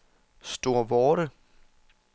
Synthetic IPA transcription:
sd̥o̝ɐ̰ʋɒːɾə

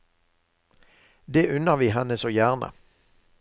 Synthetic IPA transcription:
d̪eːʔʉnəʁʋiːhɛnəsoːjæːʁnə̰

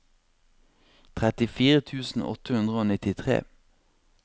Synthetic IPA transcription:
t̪ʰʁɛt̪ɪfiːʁət̪ʰʉːsn̩ɔ̰t̪əhʉnd̪ʁəoːnɪt̪ɪt̪ʰʁḛː

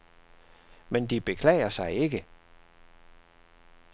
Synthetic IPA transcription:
mend̥ib̥e̝kʰlɛ̰ːɪɐsɑ̈ɪe̝ɡ̥ə

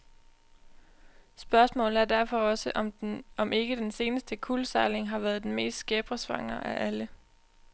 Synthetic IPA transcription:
sb̥ɶɐsmɔ̰̽ːln̩ˠæɐd̥æɐ̰fɒ̽ɒ̽səʔɒ̽mʔe̝ɡ̥əd̥ense̝ːnəsd̥əkʰulsɑ̈ɪle̝ŋɦɑ̈ʋæɐð̞ˠd̥enme̝̰ːsd̥sɡ̥eb̥ʁɐsʋɑ̈ŋ̰ɐːʔæʔælə

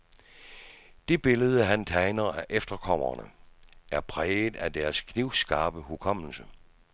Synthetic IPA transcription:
d̥e̝b̥e̝ləð̞ˠəɦænt͡sʰɑɪnɐæʔefd̥ɐkʰɒ̽m̰ɐ̰nəʔæɐpʰʁɛːðˠæd̥æɐskʰniʊsɡ̥ɑ̈ːb̥əhukʰɒ̽m̰l̩sə

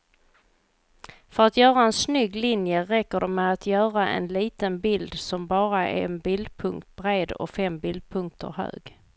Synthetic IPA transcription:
fœɾat̪jœːɾaɛnsnʏɡːlɪnjəɾɛkːəɖɛmɛat̪ʰjœːɾaʔɛ̰nliːt̪ənbɪld̪sɔmbɑːɾaɛ̰nbɪld̪pʰɵŋkt̪̚b̥ɾeːd̪ɔ̰kfɛmbɪld̪̚pʰɵŋk̚t̪ʰə̰ɾɦø̰ːɡ

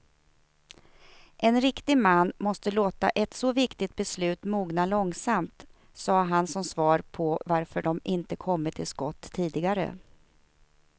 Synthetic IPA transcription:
ʔɛnɾɪkt̪ɪɡmanːmɔst̪əloːt̪a̰ʔɛt̪sɔvɪkt̪ɪt̪̚bɛslʉ̟ːt̪muːɡnalɔŋsamt̪ | sɑːɦansɔmsvɑːɾpʰɔvaɾfœɖɔmʔɪnt̪əkʰɔmːəʈ̪ʰɪlskɔt̪ːʰiːd̪ɪɡaɾə̰

